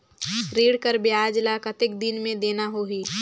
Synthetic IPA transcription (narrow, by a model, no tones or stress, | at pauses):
ɾiːɽkəɾbjaːd͡ʒlakɐt̪ɪk̚d̪inmẽd̪eːnaɦoːɦiː